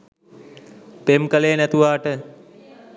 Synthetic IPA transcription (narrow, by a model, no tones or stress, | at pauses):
pemkəlejənæt̪uʋaːʈə